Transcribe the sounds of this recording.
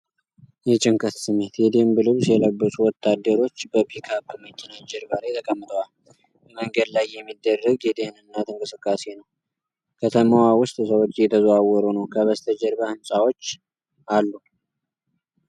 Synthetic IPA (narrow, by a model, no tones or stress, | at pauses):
jɛt͡ʃʼɪŋkʰʼət̪sɨmːe̞t̪jɛd̪embɨlɨβsjɛləbːəsʼuwɔt̪ʰːad̪ːəɾo̞t͡ʃːbəbʰikʰabɨmət͡ʃʼːɛnad͡ʒɛɾbaɾajt̪ʰəkʼəmːɨt̪ʼəwal | bəməŋɡəd̪lajːɛmːid̪ːərːəɡjɛt̪ʰehnɨnːat̪ʰɨŋkʼɨsɨkʼːase̞nəw | kʰət̪ʰəmawawʊst̪ʼsəwot͡ʃːjɛt̪ʰəzwawːɔɾunəwkʰəβəst̪ʰəd͡ʒɛɾbahɨnsʼawo̞t͡ʃː | ʔalːu